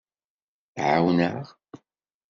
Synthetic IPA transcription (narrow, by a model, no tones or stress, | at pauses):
θʕawnə̰ʁ